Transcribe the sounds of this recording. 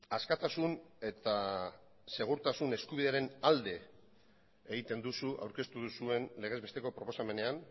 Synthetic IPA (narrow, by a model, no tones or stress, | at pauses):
askat̪asune̞t̪a | se̞ɣ̞uɾt̪asune̞skuβiðe̞aɾe̞nald̪e̞ | ɣit̪e̞nd̪usuʔa̰wɾke̞st̪uðusue̞nle̞ɣ̞e̞zβe̞st̪e̞ko̞pɾo̞po̞same̞ne̞an